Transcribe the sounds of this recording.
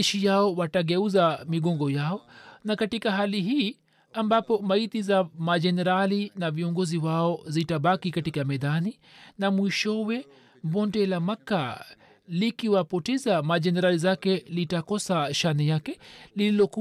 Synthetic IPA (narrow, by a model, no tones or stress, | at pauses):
ʃijaɔwataɡɛuzamiɡɔŋɡɔjaɔnakatikaɦaliɦiː | ambapɔmaitizamad͡ʒɛnɛɾalinaviɔŋɡɔziwaɔzitaɓakikatikamɛðani | namwiʃɔwɛ | mbɔntɛlamaka | likiwapɔtɛzamad͡ʒɛnɛɾalizakɛlitakɔsaʃanɛjakɛlililɔku